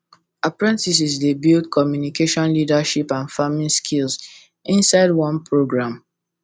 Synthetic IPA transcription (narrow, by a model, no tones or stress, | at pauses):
apɹɛ̃ntis̬isdebildkʰɔmjunikeʃɔ̃nlidaʃipãnfamĩnskʰils | ĩnsaɪdwɔ̃npʰɹoɡɹãm